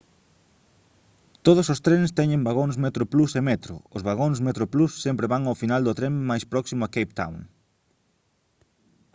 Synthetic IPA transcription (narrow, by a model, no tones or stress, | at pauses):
t̪oð̞ʊsost̪ɾenst̪ɛɲẽmbaɣonsmet̪ɾʊplusemet̪ɾʊ̰ʊzβaɣ̞onsmet̪ɾoplusːempɾeβaŋawfinald̪ʊt̪ɾemmajspɾɔksimʊakejp̚t̪a̰wŋ